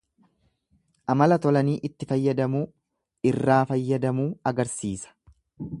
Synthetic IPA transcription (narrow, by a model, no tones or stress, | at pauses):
ʔɐmɐlɐt̪ɔlɐniːʔɪt̪ːɪfɐjːɐd̪ɐmuː | ɪrːaːfɐjːɐd̪ɐmuːɐɡɐɾsiːsɐ̥